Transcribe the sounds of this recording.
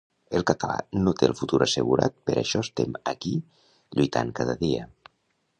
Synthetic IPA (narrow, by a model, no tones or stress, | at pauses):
əlˠkət̪əla̰not̪eəlˠfut̪uɾəseɣuɾat̪̚pəɾʔəʃɔst̪eməki | ʎujt̪ʰaŋkaðəðiə